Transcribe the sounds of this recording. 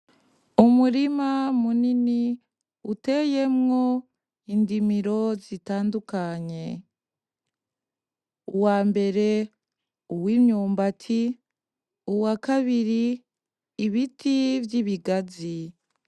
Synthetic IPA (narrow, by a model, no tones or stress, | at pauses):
umuɾimamunini | uteje̞mŋo̞ | indimiɾo̞zitaːndukaɲe̞ | uwaːmbe̞ɾe̞ | uwimɲuːmbatʰi | uwakaβiɾiː | βitʰivjiβiɡazi